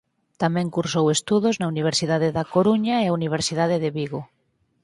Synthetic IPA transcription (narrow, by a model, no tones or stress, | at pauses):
t̪amɛ̃ŋkuɾsowest̪uðoznauniβ̞eɾsiðaðeðakoɾuɲaeauniβ̞eɾsiðaðeðeβiɣo